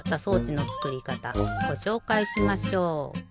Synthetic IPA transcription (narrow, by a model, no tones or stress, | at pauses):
t̪ːaso̞ːt͡ɕino̞t͡sɨ̥kɯ̟ɾʲikat̪a̰ɡ̥o̞ɕo̞ːkaiɕimaɕo̞ː